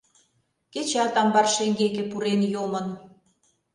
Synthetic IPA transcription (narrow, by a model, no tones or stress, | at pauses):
ket͡ɕɑt̪ɑmbɑrʃeŋɡekĕpuɾenjomən